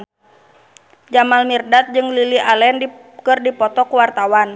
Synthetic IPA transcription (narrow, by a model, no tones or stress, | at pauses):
d͡ʒamalmirdat̪̚d͡ʒɨŋliliʔalɛnd | kɨrdipɔt̪ɔkuwart̪awan